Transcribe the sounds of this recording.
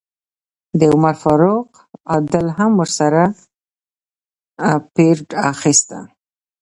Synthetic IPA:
d̪əʊmaɾfaɾoq | ad̪əlɦamwəɾsaɾa | peɾɖaxist̪a̰

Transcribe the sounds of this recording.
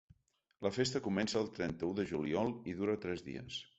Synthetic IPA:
ləfest̪əkumɛnsəːlˠt̪ɾɛnt̪əuðəʒuliɔlˠiðuɾət̪ɾɛzðḭə̰s

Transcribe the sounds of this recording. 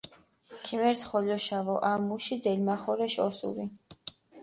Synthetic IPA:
kʰimɛɾt̪ʰχɔlɔʃavɔʔamːuʃid̪ɛlmaχɔɾɛʃɔsṵli

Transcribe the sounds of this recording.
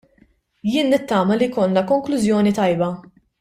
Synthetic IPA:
jɪːnːɪt̪ːɐːmɐlijkɔlnɐkɔŋklʊzjɔːnit̪ɐjbɐ

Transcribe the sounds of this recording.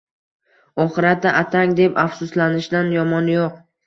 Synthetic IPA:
ɒχɨɾat̪ːaʔat̪ʰaŋd̪e̞pafsʊslanɪʃd̪anjɒmɒnjoq

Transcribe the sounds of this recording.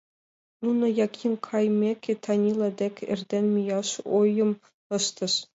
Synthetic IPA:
nunɤ̆jɑkʲʰːinʲkʰɑjmʲekʲɘ̆t̪ʰɑnʲilˠɑd̪ʲekʲʰɘ̰̆rʲd̪ʲenʲmʲijɑʂojɤ̆m | ɤ̆ʃt̪ɤ̆ʂ

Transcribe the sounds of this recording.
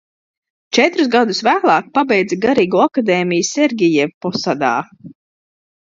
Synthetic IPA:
t͡ʃɛt̪ɾuz̬ɡad̪usvæːlˠɑːk̚pabɛjd̪zaɡaɾiːɡuːakad̪eːmijsʲːɛɾɡʲijɛvpɔsad̪a̰ː

